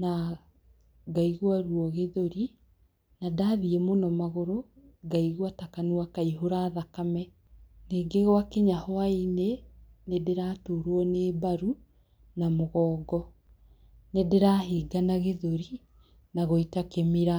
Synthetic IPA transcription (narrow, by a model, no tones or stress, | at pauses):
na | ɡaiɣwaɾwɔɣeðoɾi | nadaðiɛmonɔmaɣoɾo | ɡaiɣwatakanuakaiɦoɾaːðakamɛ | neːɡeɣwakeɲahoaine | nedeɾaːtoɾwɔneːbaɾu | namoɣɔːɡɔ | nedeɾaːɦiːɡanaɣeðoɾi | naɣoitakemiɾa